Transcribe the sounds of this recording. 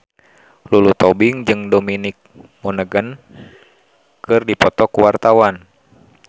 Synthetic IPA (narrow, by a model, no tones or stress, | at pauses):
lulut̪ɔbiŋd͡ʒɨŋdominik̚mɔnəɡən | kɨrdipɔt̪ɔkuwart̪awan